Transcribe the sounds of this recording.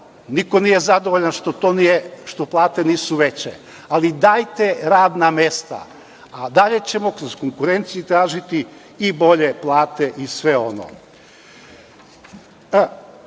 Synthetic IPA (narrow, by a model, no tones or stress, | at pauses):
niko̞nije̞zad̪o̞ʋoʎanʃt̪ot̪oːnijeʃt̪oplˠaːt̪e̞niːsuʋe̞t͡ɕḛ | alid̪ajt̪eɾaːd̪name̞st̪a̰ | ad̪aʎe̞t͡ɕe̞mo̞kɾozkoŋkuɾe̞nt̪sijit̪ɾaːʒit̪i | ibo̞ʎeplˠaːt̪eʔisʋe̞o̞no̰